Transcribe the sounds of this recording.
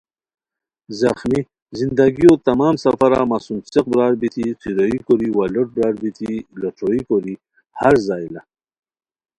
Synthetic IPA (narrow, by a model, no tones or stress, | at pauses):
zaxmi | zind̪aɡiot̪amɑːmsafaɾa̰ːmasunseq̚bɾɑːɽbit̪iqʰiɾoikoɾiwalɐʈ̚bɾɑːɽbit̪ilaʈ͡ʂʰoikoɾi | haɾzɑːjla